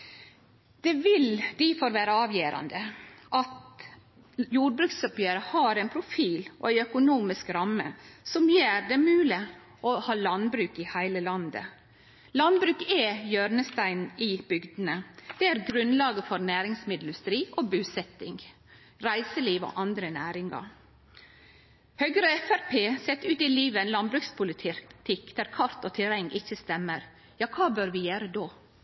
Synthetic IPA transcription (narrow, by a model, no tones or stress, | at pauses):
d̪̥ɛʋɪld̪ifoːɾʋæːɾəɑːʋjeːɾɑ̰nd̪əʔɑt̪ | juːɖ̚bɾʉksɔpjøːɾəhɑːɾæɪnpʰɾʊfiːlɔ̰æɪœkʊnuːmɪskɾɑmːə̰sɔmjeːɾd̪ɛmʉːlɪ | ʔɔhɑːlɑnbɾʉːkɪhæɪləlɑnd̪ə̰ | lɑnbɾʉːkɛjøːɾnəst̪æɪnɪb̥ʏɡd̪ənəd̪̥ɛæːɾɡɾʉnlɑːɡəfɔɾnæːɾɪŋsmɪd̪ʉst̪ɾiːʔoːbʉːsɛt̪ɪŋ | ɾæɪsəliːʋo̰ːʔɑnd̪ɾənæːɾɪŋɑ̰ɾ | høɡɾəɛfæɾpʰeːsɛt̪ːʉːt̪ɪliːʋəɛnlɑnbɾʉkspʰʊlɪt̪ʰɪt̪ʰɪkd̪̥æɾkʰɑɾt̪oːt̪ʰɪɾɛŋːɪçːəst̪ɛmːəɾ | jɑːkʰɑːbøɾʋɪjøːɾəd̪oː